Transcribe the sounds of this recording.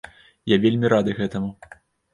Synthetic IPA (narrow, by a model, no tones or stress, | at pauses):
javʲelʲmʲiɾad̪ɨɣɛt̪ɐmu